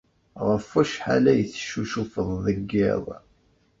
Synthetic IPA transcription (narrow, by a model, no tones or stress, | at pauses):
ʁəfæʃħa̰læjəθʃuʃufəðˤðəɡːɪðˤ